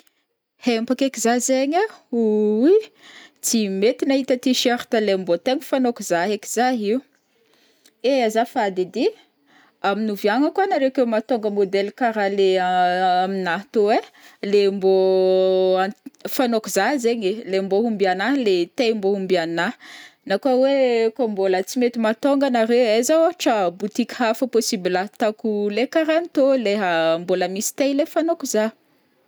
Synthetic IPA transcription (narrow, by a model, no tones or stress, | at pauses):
hempakekizazeɲauwit͡simet̪inaɦit̪ət̪iʃeɾt̪əlembot̪eɲifanokuzaɦeki̥z̥aɦiu | eazafad̪ed̪i | aminuviaŋəkwanaɾekewmat̪oŋɡəmod̪ɛlkaɾale | aminat̪oelembo | afanokuzazeɲelemboɦumbianalet̪ejmboɦumbiananakawekombolət͡simet̪imat̪oŋɡanaɾewezawaʈ͡ʂəbut̪ikʲɦafəposibilat̪akulekaɾanit̪oleɦamboləmisi̥t̪ejlefanokuza